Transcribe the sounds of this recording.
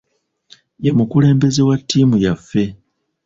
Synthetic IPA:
jemukule̞ːmbe̞ze̞watːiːmujafːe̞

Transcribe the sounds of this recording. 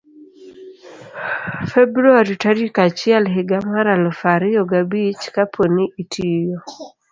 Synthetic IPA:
febɾuaɾitaɾikat͡ʃialɦɪɡamaɾalfaɾijɔɡabit͡ʃkapʰoniʔitʰijɔ

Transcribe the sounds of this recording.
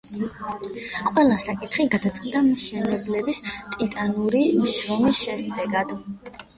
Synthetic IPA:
qʼwɛlˠasakʼit̪χiɡad̪at̪sʰʼqʼd̪amʃɛnɛblɛbist̪ʼit̪ʼanuɾimʃɾɔmisʃɛsd̪ɛɡad̪̥

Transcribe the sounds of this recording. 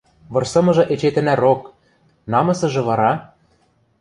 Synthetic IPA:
βɤ̆rsɤ̆mɤ̆ʒɤ̆ʔet͡ɕet̪ɘ̆næɾok | nɑmɤ̆sɤ̆ʒɤ̆βɑɾɑ

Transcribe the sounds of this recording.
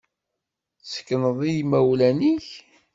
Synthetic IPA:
sə̥kːnəðˤijmæwlæniç

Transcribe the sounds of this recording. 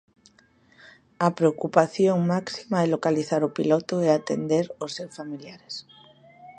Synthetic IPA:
apɾeokupaθjoŋmaksimaɛlokaliθaɾʊpilɔt̪oeat̪ḛnd̪eɾosːeɾfamiljaɾes

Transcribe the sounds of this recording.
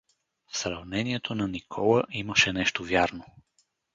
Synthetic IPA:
fsɾɐvnɛniɛt̪ʰonɐnikʰɔlˠəʔiməʃɛnɛʃt̪ovjaɾno

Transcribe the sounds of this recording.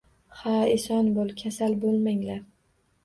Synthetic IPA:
haesɒnbolˠkʲʰasalbolˠmaŋlaɾ

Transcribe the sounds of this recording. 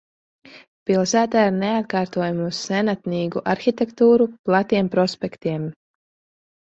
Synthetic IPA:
pilˠsæːt̪aːiɾneat̪̚kaːɾt̪uɔjamiuz̥sɛnat̪niːɡuʔaɾxit̪ʲɛkt̪uːɾuplˠat̪iɛmpɾɔspʲɛkt̪iɛm

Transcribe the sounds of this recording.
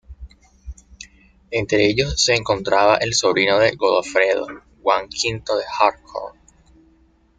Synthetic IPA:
e̞nt̪ɾe̞eʝo̞sːe̞ːŋko̞nt̪ɾaβaʔe̞lso̞βɾinoðe̞ɣoðofɾe̞ðo̞̰ | ɣwaŋkʰint̪o̞ðe̞haɾkʰo̰l

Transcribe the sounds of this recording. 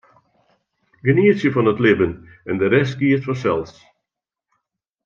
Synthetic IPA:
ɡəniəsjəfɔnətlɪbən | ɛndəɾɛst̚kiətfɔsɛlˠs

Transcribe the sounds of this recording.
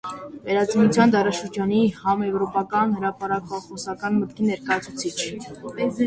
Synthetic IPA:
vɛɾɑd͡zinut͡sʰjɑnd̪ɑɾɑʃəɾd͡ʒɑnihɑmjɛvɾɔpɑkɑnhəɾɑpɑɾɑkɑχɔsɑkɑnmət̪kinɛɾkɑjɑt͡sʰu̥t͡sʰit͡ʃʰ

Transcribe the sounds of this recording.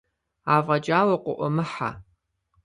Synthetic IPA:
aːvʁɐd͡ʒʼaːwɐqʷʊʔʷɔmɨħa̰

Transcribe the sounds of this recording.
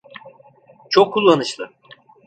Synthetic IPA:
t͡ʃʰokʰːulˠːanɯʃlˠɯ

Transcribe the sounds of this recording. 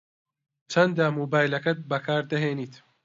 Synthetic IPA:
t͡ʃʰɐnd̪aːmoːbaːjlɐkɐt̪̚bɐkʰaːɾd̪ɐɦeːniːt̪

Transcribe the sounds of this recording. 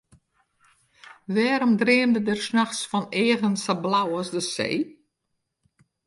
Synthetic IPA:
ʋɛːɾɔmdreːmdədərsnaxsfɔneːvənsablawɔsdəsḛː

